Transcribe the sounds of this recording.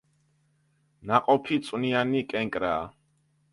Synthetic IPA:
naqʼɔpʰit̪sʼwnianikʼɛŋkʼɾaː

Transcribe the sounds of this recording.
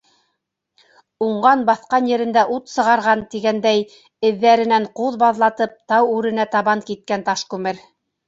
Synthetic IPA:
uɴɢɑnbɑθqɑnjɘ̆ɾɘ̆nd̪æʔut̪sɤ̆ʁɑɾʁɑnt̪iɡænd̪æj | ɘ̆ðːæɾɘ̆næɴquðbɑðlˠɑt̪ɤp̚t̪ɑwʉɾɘ̆næt̪ɑβɑŋkit̪̚kænt̪ɑʃkʉmɘɾ

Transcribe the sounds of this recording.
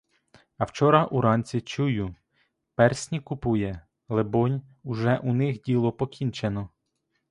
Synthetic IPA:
ɐwt͡ʃɔɾɐʔuɾɑnʲt͡sʲit͡ʃujʊ | pɛrsʲnʲikʊpujɛ | lˠebɔnʲ | uʒɛʔunɪxdʲilˠɔpɔkʲint͡ʃenɔ

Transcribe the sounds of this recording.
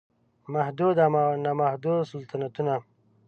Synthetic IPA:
mahd̪ud̪amnamahd̪osalt̪anat̪una

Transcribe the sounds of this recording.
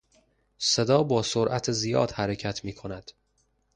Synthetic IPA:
se̞d̪ɒːbɒːsoɾʔæt̪ʰezijɒ̰ːd̪̥hæɾecʰæt̪ʰmiːkʰo̞næd̪̥

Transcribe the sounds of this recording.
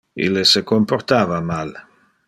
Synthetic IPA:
ḭlːesekomport̪aːvamal

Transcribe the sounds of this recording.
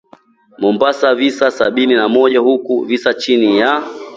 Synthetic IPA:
mumbasavisasa̰ɓininamɔʄahukuvisat͡ʃinija

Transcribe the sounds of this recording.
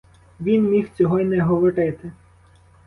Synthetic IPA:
ʋʲinmʲixt͡sʲɔɦɔinɛɦɔʋɔɾɪt̪ɪ

